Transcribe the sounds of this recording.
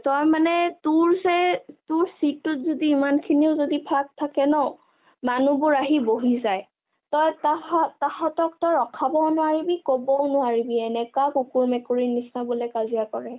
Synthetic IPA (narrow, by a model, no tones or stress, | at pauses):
tɔjmanɛtʊɹzɛtʊɹsitːʊt̚zodiːmankʰiniʊzodipʰak̚tʰakɛnɔ | manubʊɹaɦiboɦizaj | tɔjtaatahɔtɔktɔɹɔkʰabɔnʊaɹibikobɔnʊaɹibiɛnɛkakukuɹmɛkuɹinisnabʊlɛkazijakɔɹɛ